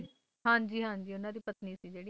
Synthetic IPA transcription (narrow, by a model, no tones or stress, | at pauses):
ɦãːɲd͡ʒiːɦãːɲd͡ʒiːʊnãːd̪iːpət̪niːsiːd͡ʒeːɽi